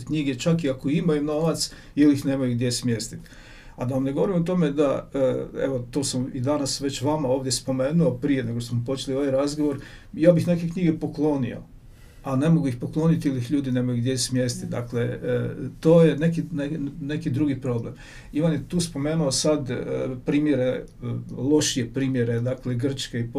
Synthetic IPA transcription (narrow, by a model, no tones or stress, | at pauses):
kɲiɡe̞t͡ʃakiakoimajuno̞ʋat̪s | ilixne̞mojuɡd̪je̞smje̞st̪it̪ | ad̪aʋamne̞ɡo̞o̞ɾimot̪o̞me̞d̪a̰ | ḛʋot̪o̞ːsamid̪anasʋe̞t͡ɕʋamao̞ːʋd̪je̞spo̞me̞ːnuopɾijeneɡoʃosmopo̞t͡ʃe̞lioʋajɾazɡoʋo̞ɾ | jaːbixne̞kekɲiːɡe̞po̞klˠo̞nḭo̞̰ | ane̞moɡuixpo̞klˠo̞nit̪ilixʎuːd̪ine̞mojiɡd̪jeismjest̪id̪a̰kle̞t̪oːje̞nekinene̞kid̪ɾuɡipɾo̞ble̞m | iʋanjet̪uːspo̞me̞ːnuosad̪pɾiːmjeɾe̞ | lˠo̞ʃie̞pɾiːmje̞ɾe̞d̪akle̞ɡr̩t͡ʃkeip